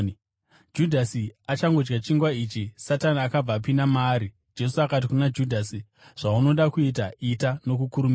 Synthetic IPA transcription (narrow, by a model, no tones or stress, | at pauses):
d͡ʒudʱasiat͡ʃaŋɡo̞d͡ʒɡat͡ʃiŋɡwaiːt͡ʃisatanaːkab͡vaːp̬inamaːɾi | d͡ʒe̞suakat̬ikunad͡ʒudʱasi | ʐ̥auno̞ɗakuit̬aitano̞kukuɾumia